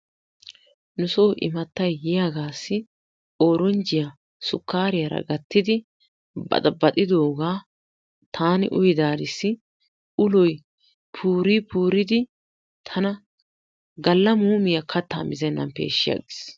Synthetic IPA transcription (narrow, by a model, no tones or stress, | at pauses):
nʊsoːʔɪ̰mɐt̪ːɐjːɪjaɡaːsːɪ | oːɾɔnd͡ʒɪja | sʊkːaːɾɪjɐɾɐ̰ɡɐt̪ːɪd̪ɪ | bɐ̰t̪ʼɐbɐt̪ʼɪd̪oːɡaː | t̪ʰaːnɪ̰ʔʊjɪd̪aːɾɪsːɪ | ʔʊlɔj | pʰuːɾipʰuːɾɪd̪ɪ | t̪ʰɐnɐ | ɡɐlːɐmuːmɪjɐkʰɐt̪ːa̰ːmɪzɛnːɐ̰npḛːʃːɪjɐ̰ɡɪs